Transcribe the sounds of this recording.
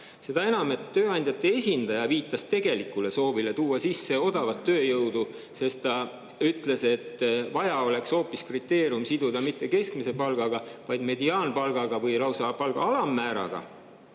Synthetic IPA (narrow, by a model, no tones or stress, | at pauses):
se̞d̪ɑe̞nɑme̞t̪ːøːɑnʲd̪jɑt̪ːˑe̞esʲind̪̥ɑjɑviːt̪ːˑɑst̪e̞ɡ̥e̞likːˑule̞so̞ːvile̞t̪uːɑsisːe̞o̞d̪̥ɑvɑt̪ːø̞ːjɤwd̪̥u | se̞st̪t̪ɑ | yt̪ːˑle̞se̞t̪ˑːvɑjɑo̞le̞kso̞ːpːˑiskrit̪ːe̞ːɾiumsid̪ud̪ɑmit̪ːe̞ke̞skmise̞pɑlɡ̥ɑɡ̥ɑvɑjd̪me̞d̪iɑːnpɑlɡ̥ɑɡ̥ɑvɤjlɑwsɑpɑlɡ̥ɑ̰ɑlɑmːæːɾɑ̰ɡ̥ɑ̰